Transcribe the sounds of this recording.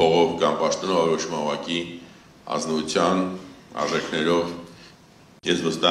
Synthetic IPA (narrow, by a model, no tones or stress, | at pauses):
ɔʁɔvkɑmpɑʃt̪ɔnɔvɔɾɔʃʰumɑnvɑki | ɑ̰znɔut͡sʰjɑnɑ̰ɾʒɛkʰnɛɾɔv | jɛzvəst̪ɑ